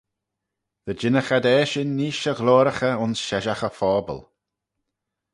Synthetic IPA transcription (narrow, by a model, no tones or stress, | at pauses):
ð̥əd͡ʒɪnəxad̪ɛːʃɪnːiːʃəɣloːɾəxəʊnsʃɛʒaxəfɔːbə̰l